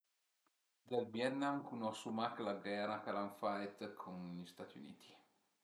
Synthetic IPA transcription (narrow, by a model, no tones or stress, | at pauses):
d̪albjɛt̪namkunɔsumaklaɡɛrakalaɱfajt̪kʰonʎist̪aːt̪iṵnḭːt̪ʰi̥